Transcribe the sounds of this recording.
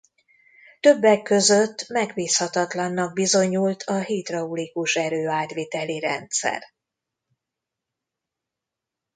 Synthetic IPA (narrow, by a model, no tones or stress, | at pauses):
t̪ø̞bːɛkːø̞zø̞t̪ːmɛɡbiːshɒt̪ɒt̪lɒnːɒɡ̚bizo̞ɲult̪ʰɒɦit̪rɒulikuʃɛɾøːaːt̪ʋeːt̪ɛliɾɛ̰nt̪sɛ̰r